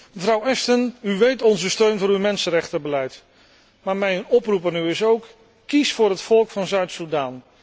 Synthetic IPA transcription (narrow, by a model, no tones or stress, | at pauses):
məvrɑwɛstənyʋejtɔnzəstøɥnvʊːɾywmɛnsənrɛχtəbəlɛjt | maːɹmɛjnɔprupanyɪsowkː | isfʊːɹɦətfɔlˠkfɑnzœɥtsudaːn